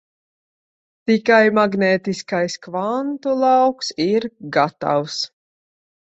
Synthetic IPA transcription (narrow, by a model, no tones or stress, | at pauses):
t̪ikajmaɡnɛːt̪iskajskvant̪ulˠawksiɾɡat̪a̰ws